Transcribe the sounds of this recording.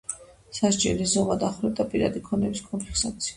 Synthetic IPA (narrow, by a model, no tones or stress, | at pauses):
saʃt͡ʃʼɛ̰nlizɔmad̪aχɾɛt̪ʼapʼiɾad̪ikʰɔnɛbiskʼɔnpʰiɾsat̪sʰi̥a